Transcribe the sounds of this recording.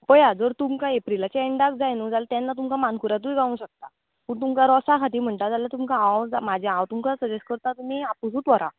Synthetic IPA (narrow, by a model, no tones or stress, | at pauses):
bɔjad͡zəɾt̪umkãepɾilat͡ɕeɳɖakd͡zajnũd͡zalt̪anːat̪umkamankuɾat̪̬ũjɡaũɕək̚t̪a | pəːɳt̪̬umkaɾɔsakʰat̪iːm̤əɳʈad͡zalat̪umkaawd͡zamad͡ʑʱããwt̪umkasəd͡ʑesʈ̚kəɾt̪at̪um̤iapusut̪ʋɔɾa̰